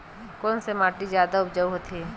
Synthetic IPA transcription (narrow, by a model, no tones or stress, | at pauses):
kɔːnsemaːʈizjaːd̪aʊpd͡ʒəɦot̪ʰi